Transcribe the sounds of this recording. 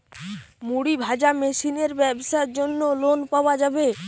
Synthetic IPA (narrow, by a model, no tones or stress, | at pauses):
muɽibʱad͡ʑamesineɾbɛbʃaeɾd͡ʑonːolonpaoad͡ʑabe